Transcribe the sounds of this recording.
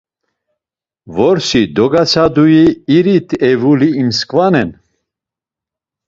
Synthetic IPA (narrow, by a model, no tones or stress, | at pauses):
vɔɾsid̪ɔɡat͡sʰad̪ujiːɾit̪ʰɛvuliːmskʼvanɛn